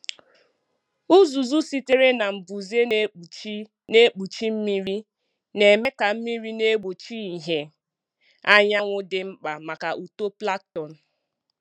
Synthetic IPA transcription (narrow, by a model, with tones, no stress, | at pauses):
u˦zu˨zu˦si˦te˦ɾe˦na˨m̩˨bu˨ze˦˨˦ | ne˦k͡pu˨t͡ʃi˦m̩˦mi˦ɾi˦ | ne˨me˦ka˨m̩˦mi˦ɾi˦ne˦ɡ͡bo˨t͡ʃi˦i˨ɦe˦ | a˦ɲa˦ŋʷʊ˦dɪ˦ŋ͡m̩˦k͡pa˨ma˨ka˨ʔu˨to˦pla˦k̚tɔ˨n̩˨